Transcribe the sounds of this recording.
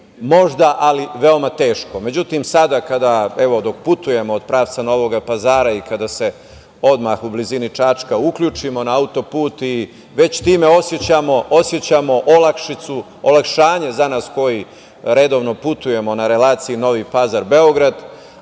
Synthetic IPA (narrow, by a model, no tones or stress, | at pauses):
mo̞ʒd̪aʔaliʋe̞omat̪e̞ːʃko̞me̞d͡ʑut̪imsad̪akad̪aeʋo̞d̪o̞kput̪uje̞moːd̪̥̚pɾaːʋt̪sano̞ʋo̞ɡapazaːɾaikad̪ase̞ | o̞d̪maxublizinit͡ʃat͡ʃkaukʎʲuːt͡ʃimo̞naaut̪o̞puːt̪i | ʋe̞t͡ɕt̪iːme̞o̞sjet͡ɕamo̞ʔosjet͡ɕamo̞ʔolakʃit̪su | olakʃaːɲezanaːsko̞ji | ɾe̞d̪o̞ːʋno̞put̪uje̞mo̞naɾe̞laːt̪siino̞ʋipazaɾbe̞o̞ɡɾad̪